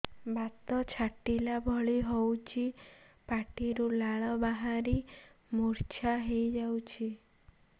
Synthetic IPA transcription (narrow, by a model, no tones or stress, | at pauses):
bat̪ɔt͡ʃʰaʈilabʱɔɭiɦɔwt͡ʃʰi | paʈiɾulaɭɔbaɦaɾimuɾt͡ʃʰaɦejd͡ʒawt͡ʃʰi